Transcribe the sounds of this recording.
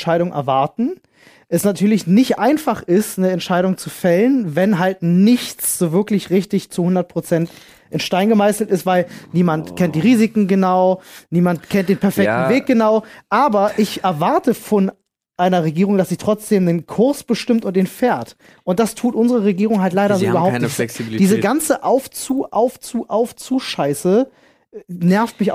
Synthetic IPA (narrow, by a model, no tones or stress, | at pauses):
ʃaɪɾʊŋʔɛ̰ɐvaɐtn̩ | ʔɛsnatʰyːɐlɪçnɪçtʔaɪnfaχɪstnəɛntʃaɪɾʊŋt͡sufɛlənvɛnɦaltnɪçt͡sz̥oːvɪɐklɪçʁɪçtɪçt͡suhʊndɐt̚pʁ̥ot͡sɛnt | ʔɪnʃtaɪnɡəmaɪsl̩tɪstv̥aɪlniːmantkʰɛntd̥iːʁiːzɪkŋ̩ɡənaʊniːmantkʰɛntd̥eːnpʰɛɐfɛk̚tn̩veːk̚ɡ̥ənaʊʔaːbɐʔɪçɛɐvaɐtəfɔn | ʔaɪnɐʁeɡiːʁʊŋd̥asz̥iːtʁ̥ɔt͡sd̥eːmnənkʰʊɐsb̥əʃtɪmtʊnt̚d̥eːnfeːɐt | ʔʊnt̚d̥astʰuːtʔʊnzəʁ̞əʁ̞eɡiːʁʊŋɦalt̬laɪɾɐzoːʔybɐhaʊnɛsidiːzəɡant͡səʔaʊft͡suːʔaʊft͡suːʔaʊft͡suːʃaɪsə | nɛɐftmɪça